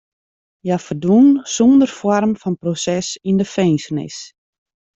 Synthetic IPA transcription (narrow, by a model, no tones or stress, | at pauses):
jafərdʋunsondərfɔrmfɔnprosɛsindəfeːnsənɪ̰s